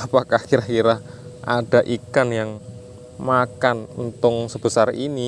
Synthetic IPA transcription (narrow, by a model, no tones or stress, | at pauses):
apakahkiɾahkiɾahʔaɖ̥a̤ʔikanjaŋ | makannt̪ʊŋsəb̥ə̤sarini